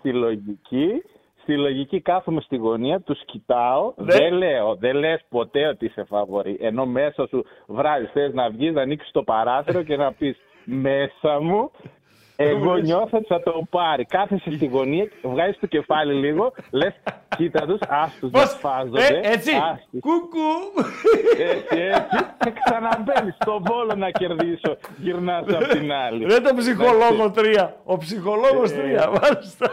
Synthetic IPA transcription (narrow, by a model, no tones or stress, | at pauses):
st̪ilo̞ʝici | st̪ilo̞ʝicikɐθemest̪iɣo̞niɐt̪uscit̪ɐo̞ðele̞oðe̞lespo̞t̪e̞o̞t̪iise̞fɐvo̞ɾiʔe̞no̞me̞sɐsuvɾɐzisθeznɐvʝiznɐːniksi̥st̪o̞pɐɾɐθeɾo̞ce̞nɐpis | me̞sɐmu | eɣo̞ɲo̞θet̪sɐt̪o̞pɐɾikɐθesest̪iɣo̞niɐvɣɐzist̪oce̞fɐliliɣo̞le̞scit̪ɐt̪usɐst̪uzpɐsfɐzoeeet͡siɐskuku | esiesiseksɐnɐvenist̪o̞bolonɐce̞ɾðiso̞ʝiɾnɐzɐpt̪inɐliɾet̪opsixo̞lo̞ɣot̪ɾiɐopsixo̞lo̞ɣost̪ɾiɐvɐlist̪ɐ